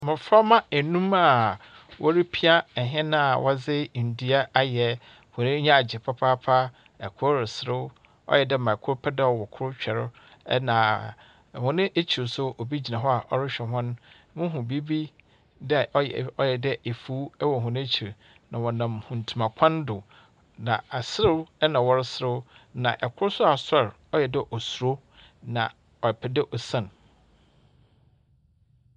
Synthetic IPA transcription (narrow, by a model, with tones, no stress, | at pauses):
mɪ̃˨fa˦mã˦e˨nũ˦ma˨ | wʔɔ˦ɾi˦pʰi˦a˦ɛ˨ɦɛ̃˦nã˦a˨wɔ˦zɪ˦˨n̩˨di˨a˦a˦jɛ˨ | hʊ̃˨nɪ̃˦ɲã˦˨d͡ʑɪ˨pʰa˦pʰaː˦pʰa˦ | ɛ˨kʰʊ˦ɾɪ˨sɪ˨ɾɪ˦ | ɔ̰˦jɛ˨dɛ˦mã˨kʰʊ˦ɾpʰɛ˦dɛ˦ɔ˨wɔ˨kʰʊ˦ɾʊ˦t͡ɕᶣɛ˨ɾʊ̰˦ | nã˨ | hʊ̃˨nɪ̃˦ʔe˦t͡ɕʰi˨ɾsʊ˦o˨bi˦d͡ʑi˨nã˨ɦɔ˦a˨ʔɔ˦ɾɪ˦ɕᶣɛ˨ɦʊ̃˦ñ˦ | mʊ̃˦ɦʊ̃˨bi˦bi˦ | dɛ˦˨ʔɔ˦jɔ˦jɛ˨dɛ˦ʔe˨fuː˦ɛ˦wɔ˨ɦʊ̃˨ñ˦e˦t͡ɕʰi˨ɾ | nã˨wɔ̃˨nã˨mhʊ̃˨n̩˨tʰu˨mã˨kʷʰã˦ndʊ˨ | nã˨a˨sɪ˦ɾɪ˦ɛ˦nã˨wɔ˦ɾɪ˦sɾɪ˦nã̰˨ʔɛ˨kʰʊ˦ɾʊ˦sʊ˦a˨sɛ˦˨ɾ | ɔ˦jɛ˨dɪ˦ʔɔ˨su˨ɾo˦ | nã̰˨ | ɔ˨ɛ˨pʰɛ˨dɛ˦ʔɔ˨sã˦˨n˨